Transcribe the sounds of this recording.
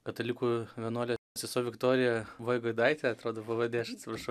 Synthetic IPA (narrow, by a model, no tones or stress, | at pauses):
kɐt̪ɐlʲɪkuːʋʲɛnoːlʲesʲɪsoːʋʲɪkt̪oːɾʲɪjɛʋɐːjɪɡoɔɪd̪ɐɪt̪ʲeɐt̪ɾoːd̪oːpɐʋɐd̪ʲeːɐʃɐt̪ʲsʲɪpɾɐʃɐʊ